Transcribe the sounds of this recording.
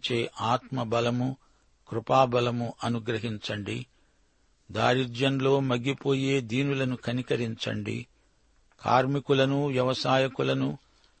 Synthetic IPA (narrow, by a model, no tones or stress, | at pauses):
t͡ʃe̞ːʔaːt̪mɐbɐlɐmu | kɾupaːbɐlɐmuʔɐnuɡɾɐɦiɲt͡ʃɐɳɖḭ | d̪a̰ːɾiɾd͡ʒɐnlo̞ːmɐɡipo̞ːje̞ːd̪iːnulɐnukʰɐnikɐɾiɲt͡ʃɐ̰ɳɖḭ | kʰa̰ːɾmikulɐnuʋjɐʋɐsaːjɐkulɐnu